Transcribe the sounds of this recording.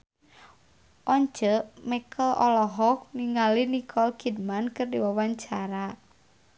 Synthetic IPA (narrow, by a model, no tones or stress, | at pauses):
ʔɔɲd͡ʒəʔmɛkʰəlɔlɔɦɔk̚niŋalinikʰɔlkid̚mankɨrdiwawaɲt͡ʃaɾa